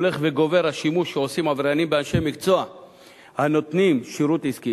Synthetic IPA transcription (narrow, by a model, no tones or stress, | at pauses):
le̞χveɡo̞ve̞ɾhaʃimuʃːeosimavɾanimbeanʃejmikt͡soa | hano̞t̪nimʃiɾut̪iski